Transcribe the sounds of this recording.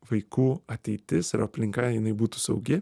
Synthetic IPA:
ʋɐɪkuːɐt̪ʲɛɪt̪ʲɪsɪɾɐpʲlʲɪŋkɐjɪnɐɪbuːt̪uːsɐʊɡʲɪ

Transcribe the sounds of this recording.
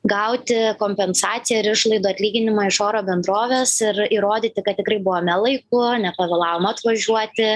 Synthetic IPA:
ɡɐʊt̪ʲɪkoːmʲpʲɛnsɑːt̪sʲɪjɛɪɾɪʃlˠɐɪd̪uɐt̪ʲlʲiːɡʲɪnʲɪmɑːɪʃoːɾoːbʲɛnd̪ɾoːʋʲeːsɪɾiːɾoːd̪ʲiːt̪ʲɪkɐt̪tʲɪkɾɐɪbʊʋoːmʲɛlˠɐɪkʊnʲɛpɐʋʲɛlˠɑːʋoːmɐɐt̪ʋɐʒʲuɔt̪ʲɪ

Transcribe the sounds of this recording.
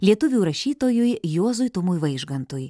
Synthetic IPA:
lʲiɛt̪ʊʋʲuːɾɐʃʲiːt̪oːjʊjjoɔzʊjt̪ʊmʊjʋɐɪʒɡɐnt̪ʊj

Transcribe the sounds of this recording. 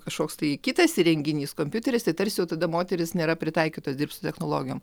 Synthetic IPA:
kɐʃkoːkst̪ɐɪkʲɪt̪ɐsɾʲɛŋʲɡʲɪnʲiːskoːmʲpʲʊt̪ʲɛɾʲɪst̪ɐɪt̪ɐɾʲsʲjɛʊt̪ɐd̪ɐmoːt̪ʲɛɾʲɪsnʲeːɾɐpʲɾʲɪt̪ɐɪkʲiːt̪osd̪ʲɪrpt̪sʊt̪ʲɛxnoːlˠoːɡʲɪjoːm

